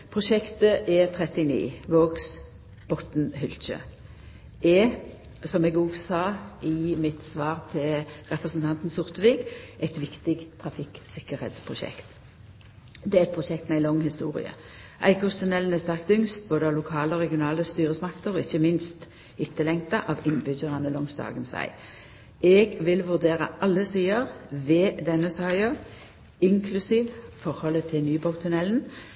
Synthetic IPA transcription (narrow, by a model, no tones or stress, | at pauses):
pʰʁʊʃɛkt̪əʔɛt̪ʰʁɛt̪ɪnḭːʋoːɡs | b̥ɔt̪nhʏlc͡çə̰ | ɛ | sɔmɛːɡoːɡsɑːɪmɪt̪sʋɑːʁt̪ʰɪlʁɛpʁəsn̩t̪ʰɑnt̪n̩sʊʁt̪əʋiːɡʔɛɪt̪ʋɪkt̪ɪɡt̪ʰɾɑfɪksɪkəɾhḛːt̪spʰʁʊʃɛ̰kt̪ | d̪ɛːæɾɛt̪̚pʰʁʊʃɛkt̪mɛæɪlɔŋːhɪst̪uːʁɪ̰ə̰ | ʔæ̰ɪkɔst̪ʰʉnɛln̩æst̪æʁk̚t̪ʏŋst̪̚boːd̪əɑʋlʊkʰɑːləɔʁɛɡɪʊnɑːləst̪yːʁəsmɑkt̪əʁɔːɪçːəmɪnst̪ | ɪt̪ːəlɛŋt̪ɑʔɑʋɪnbʏd͡ʒəʁɑnəlɔŋsd̪ɑ̰ːɡənsʋæ̰ɪ | ɛɡʋɪlʋʉʁd̪eːʁə̰ʔɑlːəsiːəʁʋeːd̪ɛnːəsɑːɪə | ɪŋkʰlʉsiːʋfɔʁhɔlːət̪ʰɪlnyːbɑt̪ʰʉnɛln̩